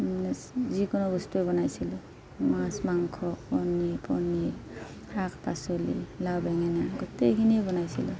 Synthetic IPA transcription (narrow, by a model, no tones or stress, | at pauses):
zikɔnɔbɔstuɛbɔnajsilɔ | mãsmaŋkʰɔpɔnipʰɔni | ak̚ʰpasɔlḭlawbɛŋɛnaɡɔtekʰiniebɔnajsilɔ